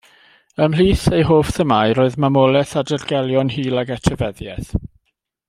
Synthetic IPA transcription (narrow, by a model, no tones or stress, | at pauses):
əmliːθejɦoːfθəmaɨɾoːɨðmamɔlˠɛθadərɡɛlˠjɔnhiːlˠaɡɛtʰəvɛðjɛθ